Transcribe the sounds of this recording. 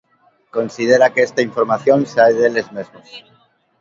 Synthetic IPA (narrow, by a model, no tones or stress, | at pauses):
ko̞nsið̞eɾakeest̪aiɱfo̞ɾmaθjo̞nseaeðelezmezmos